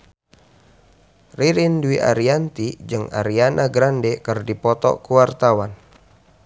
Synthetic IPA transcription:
riɾinduwiʔa̰ɾiant̪id͡ʒɨŋa̰ɾianʔaɡɾandɛkərdipɔt̪ɔ̰kuwart̪awan

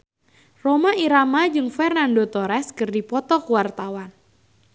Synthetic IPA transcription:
romaiɾamad͡ʒɨŋfɛrnandot̪ɔɾɛskɨrdipɔt̪ɔkuwart̪awan

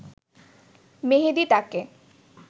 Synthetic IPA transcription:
meɦed̪it̪ake

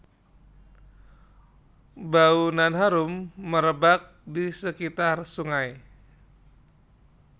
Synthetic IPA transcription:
baunanɦaɾumːəɾəbak̚disəkit̪arsuŋaj

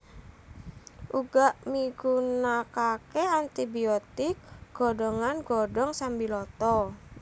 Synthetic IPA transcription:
ʔuɡaʔmiɡunakakeant̪ibiɔt̪ik̚ɡ̥ɔdɔŋanɡɔdɔŋsambilɔt̪ɔ

